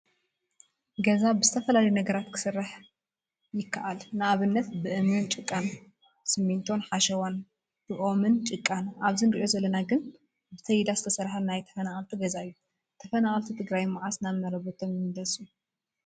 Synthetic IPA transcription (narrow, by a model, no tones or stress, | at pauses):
ɡɐzabɨzɨt̪ʰɐfɐlalɐjunɐɡɐɾat̪kʰɨ̥sɨrːaħ | jɪkːaʔalnɨaβɨnːɐt̪bɨʔɨmɨnt͡ʃʼɨkʼːan | sɨmːint̪ʰo̞nħaʃɐwan | b̥ɨʔo̞mɨnt͡ʃʼɨkʼːanʔaβzinɾiʔo̞zɐlːɐnaɡɨn | bɨt̪ʰɐjd̪azɨt̪ʰɐsɐɾħanajt̪ʰɐ̥fɐnaʔalt̪ʰiɡɐzaɨjːu | t̪ʰɐfɐnaʔalt̪ʰit̪ʰɨɡɾajmaʕasnaβnɐɾɐβot̪ʰomjɨnd̪ɐsu